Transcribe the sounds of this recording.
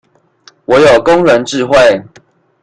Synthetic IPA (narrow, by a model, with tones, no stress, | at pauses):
wɔ˨˦jo˨˩ʊkʊ˦ŋɻə˨˦nʈ͡ʂɻ̩˥˧xwe˥˨ɪ